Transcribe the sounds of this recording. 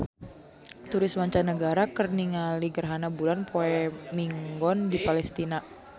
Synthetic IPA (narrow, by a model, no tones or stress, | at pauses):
t̪uɾɪsmaɲt͡ʃanəɡaɾakərniŋaliɡərɦanabulanpʰoɛmiŋɡɔndipalɛst̪ina